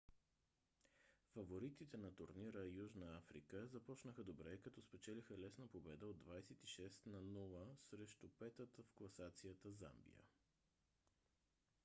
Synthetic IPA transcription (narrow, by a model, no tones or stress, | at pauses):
fɐvoɾit̪it̪ɛnɐt̪ʊɾniɾəjuʒnəafɾḭkəzɐpɔt͡ʃnəxəd̪obɾɛkɐt̪ɔspɛt͡ʃɛlixəlɛsnəpobɛd̪əod̪vajsɛt̪iʃɛst̪nɐnulˠəsɾɛʃt̪ʊpɛt̪ət̪əfklˠɐsat̪sijət̪əza̰mbḭjə̰